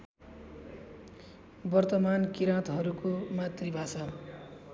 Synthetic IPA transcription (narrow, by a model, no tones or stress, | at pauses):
bʌrt̪ʌmankiɾãt̪ɦʌɾukomat̪ribʱasʌ